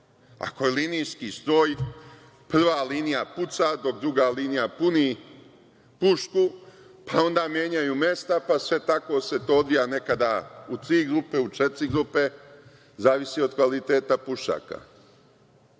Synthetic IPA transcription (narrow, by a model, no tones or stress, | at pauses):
a̰ko̞jelinijskist̪ɾo̞ːj | pr̩ʋaːliːnijaput̪sad̪o̞k̚d̪ɾuɡaliːnijapuni | puʃku | pʰao̞nd̪aːmjeɲajuːme̞st̪apasʋe̞t̪ako̞se̞t̪oːod̪ʋijane̞kad̪aut̪ɾiɡɾupe̞ut͡ʃet̪ɾiɡɾupe̞ | zaːʋisio̞d̪kʋalit̪e̞ːt̪apuʃa̰ːka̰